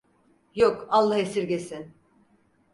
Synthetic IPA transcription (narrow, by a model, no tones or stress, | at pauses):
jokalˠːaɦesiɾɟesin